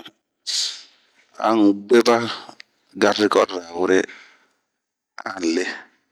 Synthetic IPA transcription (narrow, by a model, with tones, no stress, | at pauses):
a̰˦ŋ˨ɡ͡be˦ba˦ | ɡa˨ɾɪ˦kɔ˦ɾa˨wʊ˦ɾe˦ | a̰˦˨le˦